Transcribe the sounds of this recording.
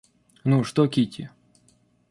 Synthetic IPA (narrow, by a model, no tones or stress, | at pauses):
nuʂt̪okʲitʲɪ̰